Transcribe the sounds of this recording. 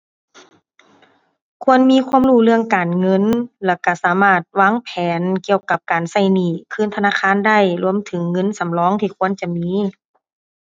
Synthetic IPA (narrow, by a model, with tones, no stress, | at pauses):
kʰu˧˥ənmiː˧˥˨kʰu˧ə˨mɾuː˧˩lɯ˥˩əŋkaː˨nŋɤ˧˥˨nlɛ˧˩ka˧˩saː˨˦maː˧˩t̪̚waː˧˥˨ŋpʰɛː˨˦nki˧əwka˧˩p̚kaː˨˩nsa˧˩jniː˧˨˩kʰɯː˧˥˨nt̪ʰnaː˧˥˨kʰaː˧˥˨nda˥˩jlu˧əmt̪ʰɯ˩˦ŋːɤ˧˥˨nsa˨˦mlɔː˧˥ŋt̪ʰiː˧˩kʰu˧˥ə˨nt͡ɕa˧˨miː˧˥